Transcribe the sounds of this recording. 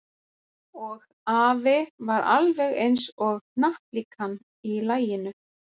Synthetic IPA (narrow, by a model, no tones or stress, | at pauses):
ɔɣ | aːvɪvaɾʔa̰lvɛɣejnsɔɣnaht̪likʰanː | ilaːjɪnʏ